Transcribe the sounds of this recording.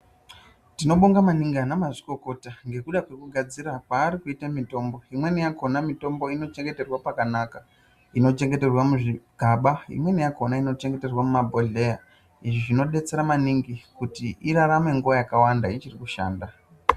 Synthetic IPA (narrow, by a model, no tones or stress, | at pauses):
tino̞ɓoŋɡamaniŋɡanamaʐiko̞ko̞taŋɡe̞kuɗakwe̞kuɡʱad͡ziɾakwaːɾikuitamito̞mbo̞imwe̞nijako̞namito̞mbo̞ino̞t͡ʃe̞ŋɡe̞te̞rwapakanaka | ino̞t͡ʃe̞ŋɡe̞te̞rwamuʐiɡ̥ʱaɓaḭmwe̞nijako̞naino̞t͡ʃe̞ŋɡe̞te̞rwamumabʱoɮe̞ja | iʐiʐino̞ɗe̞t͡se̞ɾamaniŋɡikutiiɾaɾame̞ŋɡuʋajakawandait͡ʃirikuʃa̰ːnda